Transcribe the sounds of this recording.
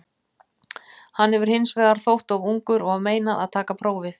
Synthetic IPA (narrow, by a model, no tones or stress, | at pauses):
hanːhɛvʏɾ̥hɪnsvɛːðaɾ̥θowht̪avuŋkʏɾɔɣavmeːjnaða̰ðt̪ʰaːkapʰɾoːwvɪθ